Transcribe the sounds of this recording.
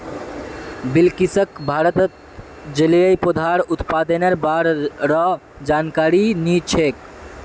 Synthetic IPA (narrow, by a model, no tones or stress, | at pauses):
bilkisəkbʱaːɾət̪ət̪ | d͡ʒəlijəjpod̪ʱaɾʊt̪pad̪əneɾbaːɾɾɔ | d͡ʒaːnkaːɾinit͡ʃʰek